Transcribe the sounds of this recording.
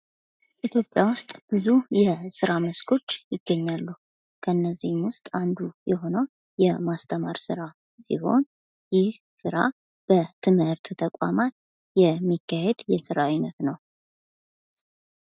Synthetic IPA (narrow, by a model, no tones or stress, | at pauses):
ʔit̪ʰjo̞pʼjawʊst̪ʼb̥ɨzujɛsɨɾaməskʰo̞t͡ʃːjɪɡːəɲːalːu | kʰəɨnːəzːihmwʊst̪ʼand̪ujɛɦo̞nəw | jɛmast̪ʰəmaɾsɨɾa | sḭho̞n | jɪh | sɨɾa̰ | b̥ət̪ʰɨmhɨɾt̪ʰt̪ʰəkʼa̰mat̪̚ | jɛmːikːahe̞d̪jɛsɨɾajnət̪nəw